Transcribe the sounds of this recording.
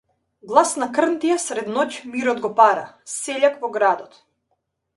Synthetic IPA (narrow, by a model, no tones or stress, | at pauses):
ɡlˠasnakr̩nt̪ijasɾɛd̪nɔcmiɾɔd̪ɡɔpaɾasɛʎakvɔɡɾad̪ɔt̪